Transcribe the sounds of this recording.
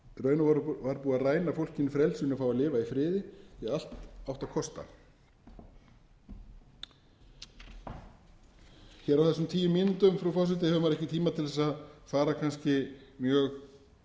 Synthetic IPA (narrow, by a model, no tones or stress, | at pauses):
rœːɥnʏvavaɾpuːaraːjnafowl̥cɪnɪfɾɛlsʏnʏfaːwalɪːvaifɾɪːðɪɛal̥t̪awht̪akʰɔst̪a̰ | çɛːɾawθɛsːʏmt̪ʰiːjʏmjɪnt̪ʏmfɾawfas̬ʏt̪ɪhɛvʏmaɾɛhcɪt̪ʰiːmat̪ʰɪlθɛsaðfaːɾakʰanscɪmjœːɣ